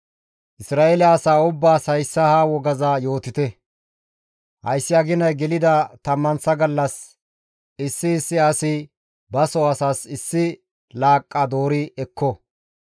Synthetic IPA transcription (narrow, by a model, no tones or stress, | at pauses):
ʔɪsɾaːʔelɐɐsaːʊbːaːsɐjsːɐhaːwɔɡɐzaːjo̞ːt̪ɪt̪ɛ | hɐ̰jsːɪɐɡɪnɐjɡɛlɪd̪ɐt̪ɐmːɐnsɐɡɐlːɐs | ɪsːɪːsːɪɐsɪ | bɐsɔɐsaːsɪsːɪ | laːkʼːad̪o̞ːɾɪɛkʰːɔ